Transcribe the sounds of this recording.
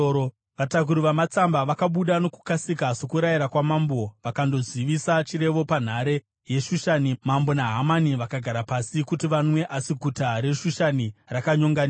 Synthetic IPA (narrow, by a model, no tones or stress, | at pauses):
ʋatak̬uɾuʋamat͡sambaʋakaɓuɗano̞ku̥kasikaso̞kuɾajiɾakwamambo̞ʋakando̞ziʋisat͡ʃiɾe̞ʋo̞pan̤aɾe | je̞ʃuʃanimambo̞naɦamaniʋakaɡʱaɾapasikutiʋanwe̞ʔasiɡʱutaɾe̞ʃuʃanirakaɲo̞ŋɡania